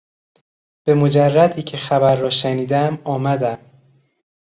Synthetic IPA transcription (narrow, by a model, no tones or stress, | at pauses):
b̥e̞mod͡ʒærːæd̪iːcʰe̞xæbæɾːɒːʃæniːd̪æmɒːmæd̪æm